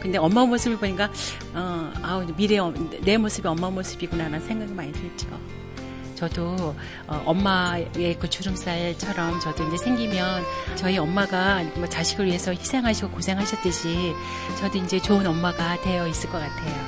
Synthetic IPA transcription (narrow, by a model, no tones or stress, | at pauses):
kɯnde̞ʌmːamosʰɯbɯɭboɲik͈a | ʌamiɾeʌne̞mosʰɯbeʌmːamosʰɯbiɡonaɾannsʰe̞ŋɡaɡimaɲitʰɯit͡ɕ͈o̰ | t͡ɕʌdo | ʌʔʌmːae̞kɯt͡ɕʰuɾɯms͈aɭt͡ɕʰʌɾʌmt͡ɕʌdoind͡ʑesʰe̞ŋɡimjʌnt͡ɕʌiʌmːaɡamwʌt͡ɕaɕʰiɡɯɭɥiɦe̞sʰʌçi̥sʰe̞ŋɦaɕʰiɡokosʰe̞ŋɦaɕʰʌt͈ɯɕʰi | t͡ɕʌdoind͡ʑe̞t͡ɕoɯnʌmːaɡatwe̞jʌis͈ɯɭk͈ʌk͈atʰe̞jo